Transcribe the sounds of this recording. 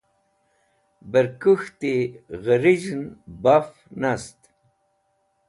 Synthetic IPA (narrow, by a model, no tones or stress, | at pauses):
bəɾkuxt̪eɣəɾid͡ʑnbaf | nast̪